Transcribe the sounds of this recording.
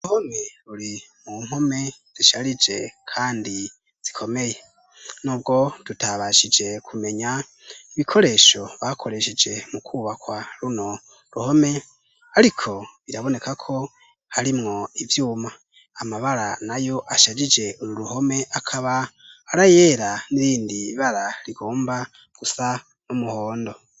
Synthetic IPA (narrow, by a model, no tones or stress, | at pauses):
uhoneɾuɾimum̥ho̞me̞z̥iʃaɾid͡ʒe̞kʰaːndi | z̥ikʰo̞me̞je | nuːbɡo̞d̥utaβaʃid͡ʒe̞kʰume̞ɲa | iβikʰo̞ɾe̞ːʃo̞βakʰo̞ɾe̞ʃed͡ʒe̞mukʰuːβakwaɾuno̞ | ɾuho̞me̞ | aɾikʰo̞βiɾaβo̞ne̞kakʰo̞ | haɾimŋo̞ivjuːma | amaβaɾanajo̞ʔaʃad͡ʒid͡ʒe̞uɾuɾuho̞me̞ʔakʰaβaːɾajeɾaniɾiːndiβaɾaɾiɡ̥oːmba | ɡ̥usa | numuho̞ːndo̞